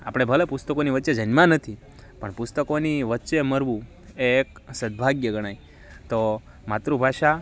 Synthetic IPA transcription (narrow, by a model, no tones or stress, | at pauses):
a̰pɽ̃ebʱəlepust̪əkoniʋətːt͡ʃed͡ʒənmãnət̪ʰi | pəɳpust̪əkoniʋətːʃeməɾʋũ | eksəd̪̚bʱaɡjəɡəɽ̃ai | t̪o | mat̪ɾubʱaʃa